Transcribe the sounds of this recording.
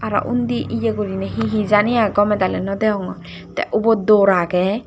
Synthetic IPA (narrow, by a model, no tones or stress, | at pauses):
aɾa̰ʔund̪iʔijeɡuɾinɛɦiɦizanijaɡɔmɛd̪alɛnɔd̪ɛɔŋɔ | t̪ɛ̰ʔubɔd̪ɔɾakɛ